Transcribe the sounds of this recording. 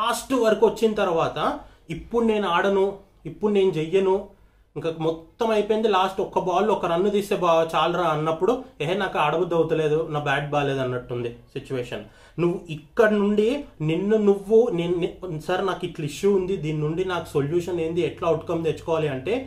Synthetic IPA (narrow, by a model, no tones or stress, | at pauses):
laːsʈʋɐɾikuʋɐt͡ʃːinɐt̪ɐɾuʋaːt̪ɐ | ipːuɽune̞ːnaːɽɐnu | ipːuɽune̞ːnud͡ʒɛjːɐnu | iŋkamɔt̪ːɐmɐjpoːjind̪ilaːsʈɔkɐbaːlːɔkɐɾɐnːud̪iːseːbat͡ʃaːlɾaːɐnːɐpːuɽueɦenaːkuaːɽɐʋud̪ɐwt̪ɐle̞ːd̪unaːbaːɖ̚baːleːd̪ɐnːɐʈːund̪isit͡ʃuʋeːʂɐn | nuʋːuʔikːɐɽɐnuɳɖininːunuʋːuneːnnsɐɾnaːkiʈliʃjuːnd̪id̪iːninuɳɖinaːku̥soljuːʂɐneːnd̪iɛʈlaːɐwʈkɐmt̪et͡ʃːu̥kɔːʋaːliɐɳʈe̞ː